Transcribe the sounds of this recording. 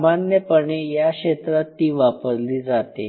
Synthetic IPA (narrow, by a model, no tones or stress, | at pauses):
manjəpəɳejakɕet̪ɾat̪ːiːʋapəɾliːd͡zat̪ḛ